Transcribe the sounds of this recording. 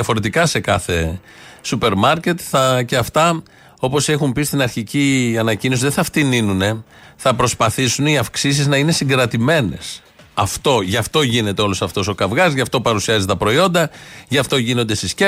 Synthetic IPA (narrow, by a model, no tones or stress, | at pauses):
ɐfo̞ɾe̞t̪ikɐse̞kɐθe̞ | supe̞ɾmɐɾce̞t̪θɐceɐft̪ɐ | o̞po̞se̞xumpist̪inɐɾçiciɐnɐcinos̬iðeθɐft̪ininune̞θɐpɾo̞spɐθisuniɐfksis̬iznɐine̞siŋɡɾɐt̪ime̞ne̞s | ɐft̪o̞ʝɐft̪o̞ʝine̞t̪eo̞lo̞sɐft̪o̞so̞kɐvɣɐzʝɐft̪o̞pɐɾusiɐzit̪ɐpɾo̞io̞nd̪ɐʝɐft̪o̞ʝino̞nd̪esisce